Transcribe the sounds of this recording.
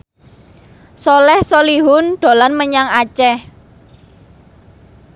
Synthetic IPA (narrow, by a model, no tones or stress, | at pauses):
sɔlɛhsoliɦʊnɖ̪̥o̤lanməɲaŋat͡ʃɛh